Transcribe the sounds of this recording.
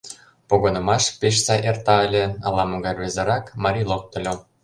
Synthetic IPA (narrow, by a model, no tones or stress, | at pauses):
poɣonɤ̆mɑʃpeʃ̬sɑʔert̪ɑəlʲeɑlɑmoɣɑrʲβʲezĕɾɑkmɑɾʲilˠok̚t̪ə̆lʲo